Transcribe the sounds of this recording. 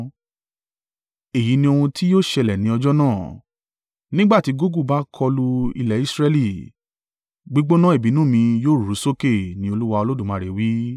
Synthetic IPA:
e˨ji˨˦nĩ˧o˧hũ˧tʰi˦joː˦˨ʃɛ˧lɛ˨nĩ˨˦ɔ˧d͡ʒɔ˦nãː˦˨ | nĩ˦ɡ͡ba˦˨ti˨˦ɡo˦ɡu˦˨ba˦kʰɔ˧lu˧ḭ˧lɛ˨i˦sɾɛ˦li˦˨ | ɡ͡bi˦ɡ͡bo˦nã˦e˦˨bi˨˦nũ˦˨mĩ˧joː˦˨ɾu˨˦so˦ke˦˨nĩ˦o˧lu˦wa˧o˧lo˦dũ˦˨mã˧˨ɾe˨wi˨˦

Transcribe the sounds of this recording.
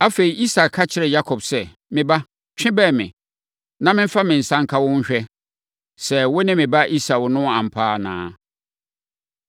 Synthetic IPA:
a˦fe˨ɾi˨ʔi˦sa˨kʰːa˦t͡ɕʰɪ˦ɾɛ˨ja˦kʰɔ˨bsɛ˨ | mɪ̃˨ba˦ | t͡ɕᶣɪ̃˦bɛ˦˨mɪ̃˨ | nã˦mɪ̃˦m˦fa˦mɪ̃˨n̩˨sã˦ŋ˦kʰa˦wʊ˦ɲ̩˦ɕᶣɛ˦ | sɛ˨wʊ˦nɪ̃˦mɪ̃˨ba˦ʔi˦sa˨wʊ˨nʊ̃˦ã˨m̩˨pʰaː˦nã̰ː˦

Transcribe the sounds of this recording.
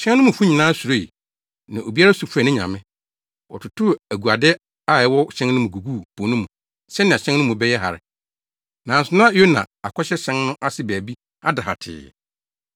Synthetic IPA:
ɕɛ̃˦n˦nʊ̃˦mʊ̃˨fu˦ɲĩ˨nãː˦su˨ɾo˦i˨ | nã˨ʔo˨bi˦a˦ɾa˦su˨fɛ˨nɪ̃˦ɲã̰˨mɪ̃˦ | ɔ̰˨tʰʊ˨tʰʊ˦æ˨ɡu˨a˨dɛ˦ | a˦˨ɛ˨˦wɔ˦ɕɛ̃˦nnʊ̃˦mũ˨ɡu˨ɡu˦˨pʰõ˨nʊ̃˦mũ˨ | sɛ˦nɪ̃˨a˨ɕɛ̃˦n˦ʊ̃˦mũ˨bɛ˦jɛ˦ɦa̰˨ɾɪ̰˨ | nãː˨n˨sʊ˨nʊ̃˦a˦o˦nã̰˨a˨kʰɔ˦ɕɛ˦ɕɛ̃˦nnʊ̃˦ʔa˦sɪ˨bæ˨bi˦ | a˦da˨ha̰˨tʰɪ̰ː˨

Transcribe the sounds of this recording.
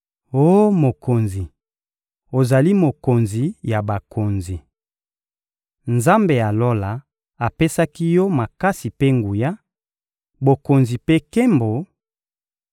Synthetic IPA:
o˦mo˨ko˨nzi˨ | o˨za˨li˦mo˨ko˨nzi˨ja˨ba˨kʰo˨nzi˨ | nza˦mbe˨ja˨lo˦la˨ | a˨pe˦sa˦ki˦jɔ˦ma˨ka˦si˨pe˦ŋɡu˨ja˦ | bo˨ko˨nzi˨pe˦ke˦mbo˨

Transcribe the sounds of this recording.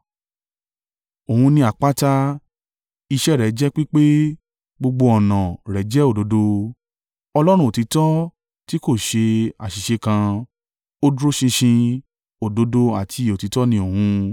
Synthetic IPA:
o˨hũ˧nĩ˧a˨k͡pa˦ta˦ | i˧ʃɛ˦˨ɾɛ˨˦d͡ʒɛ˦k͡pi˦k͡pe˦ | ɡ͡bo˧ɡ͡bo˧ɔ˨nã˨ɾɛ˨˦d͡ʒɛ˦o˦˨do˨˦do˧ | ɔ˧lɔ˦ɾ̃ũ˦o˨ti˨˧˦tɔ˦ | ti˦ko˦˨ʃe˧a̰˨ʃi˨ʃe˧kã˧ | o˦du˦ɾo˦ʃĩ˧ʃĩ˧ | o˨do˨˦do˧a˨tʰi˧˨o˨ti˨˦tɔ˦nĩ˧o˨hũ˧

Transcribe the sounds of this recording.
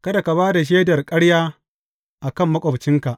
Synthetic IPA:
kɐ˦da˨ka˨baː˦da˨ʃ̬eː˦dɐ˨rkʼɐ˦ɽjaː˦ | ʔa˨kɐ˦˨mːɐ˦kʷʼo˨bt͡ʃɪ˦ŋka˨ʔ

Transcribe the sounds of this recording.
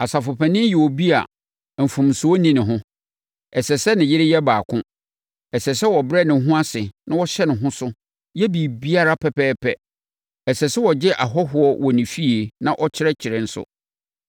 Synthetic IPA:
a˨sa˨fʊ˨pʰɛ˨nɪ̃˦jɛ˨wo˨bi˦a̰˨ | m̩˨fũ˨m˨sʊ˨˦ɔ˦nĩ˦nɪ̃˨ɦʊ̃˦ | ɛ˨sɛ˨sɛ˦nɪ̃˨jɪ˦ɾɪ˦jɛ˦baː˨kʰʊ̃˦ | ɛ˨sɛ˨sɛ˦wɔ˨bɾɛ˦˨nɪ̃˨˦ɦʊ̃˦a˦sɪ˨nã˦wɔ˦ɕɛ˦nʊ̃˨ɦʊ̃˦sʊ˦ | jɛ˦bi˨bi˦a˦ɾa˦pʰɛ˨pʰɛː˦pʰɛ˦ | ɛ˨sɛ˨sɛ˦wɔ˨d͡ʑɪ˦ʔa˨ɦɔ˦ɦʊ˨ɔ˦wʔɔ˨nĩ˨fi˦e˨nã˦˨ʔɔ˦t͡ɕʰɪ˦ɾɛ˦t͡ɕʰɪ˨ɾɪ˨n̩˦sʊ̰˦

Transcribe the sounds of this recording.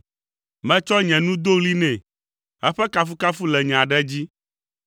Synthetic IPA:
mɛ̃˦t͡ʃɔ˦ɲɛ̃˨nũ˦d̪o˦ɣli˦nɛ̃˨ | ɛ˦ɸɛ˦ka˦fu˦ka˦fu˦lɛ˨ɲɛ̃˨a˨ɖɛ˦d͡ʑi˦

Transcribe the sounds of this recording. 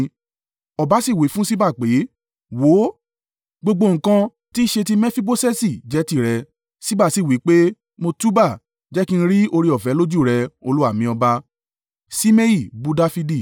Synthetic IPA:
ɔ˨ba˨˦si˦˨wi˨˦fũ˦si˦ba˦˨k͡pe˨˦ | wo˨˦ | ɡ͡bo˧ɡ͡bo˧ŋ̩̃˨kã˧ | ti˦ʃe˧ti˦mɛ˦fi˦bo˦sɛ˦si˦˨d͡ʒɛ˨˦ti˦˨ɾɛ˧ | si˦ba˦˨si˦˨wi˨˦k͡pe˦ | mo˧tu˦ba˦˨ | d͡ʒɛ˦ki˦˧ñ̩˦ɾi˦o˧ɾi˧ɔ˨fɛ˨˦lo˦d͡ʒu˦˨ɾɛ˧o˧lu˦a˦˨mĩ˧ɔ˧ba˧ | si˦me˦ji˦˨bu˦da˦fi˧di˦˨

